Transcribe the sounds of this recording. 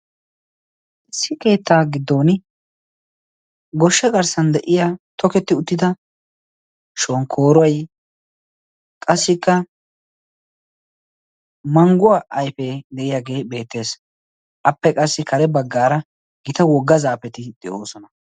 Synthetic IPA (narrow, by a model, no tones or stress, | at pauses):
ʔɪsːɪke̞ːt̪ːaːɡɪd̪ːo̞ːn | ɡɔʃːɛɡɐɾsɐnd̪ɛʔɪjaːt̪ʰɔkɛt̪ːɪʊt̪ːɪd̪ɐ | ʃoːŋkʰo̞ːɾɔwɐj | kʼɐsːɪkːɐ | mɐŋɡʊaːʔɐjfɛd̪ɛʔɪjaːɡe̞ːbe̞ːt̪ːe̞ːs | ʔɐpːɛkʼɐsːɪkɐɾɛbɐɡːaːɾɐ | ɡɪt̪ɐwɔɡːɐzaːpɛt̪ɪd̪̥ɛʔo̞ːsɔnɐ